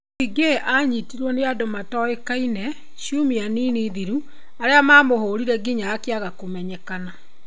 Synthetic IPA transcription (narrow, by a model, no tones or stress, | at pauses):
iɡeeʔaɲitiɾwɔneadomatɔekainɛ | ʃumianiːniːðiɾu | aɾeamamohoːɾiɾɛɡiɲaːkeaɣakomɛɲɛkana